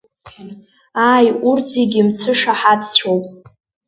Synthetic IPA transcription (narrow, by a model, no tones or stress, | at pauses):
aːjurd͡zeɡʲimt͡sʰɨʂaħadt͡ɕʷʰowpʼ